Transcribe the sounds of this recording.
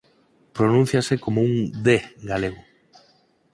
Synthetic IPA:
pɾonũn̟θjasekomouŋd̪eɡaleɣ̞o

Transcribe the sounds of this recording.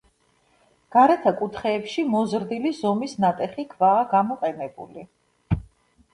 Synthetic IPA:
ɡ̥aɾɛt̪ʰakʼut̪ʰχɛːpʃimɔzɾd̪ilizɔmisnat̪ʼɛχikʰvaːɡamɔqʼɛnɛbṵli

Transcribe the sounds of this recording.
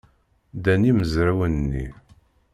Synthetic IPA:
d̪æniməzɾæwənnːḭ

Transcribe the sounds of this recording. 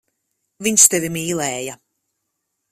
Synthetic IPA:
viɲst̪ɛvimiːlɛːja

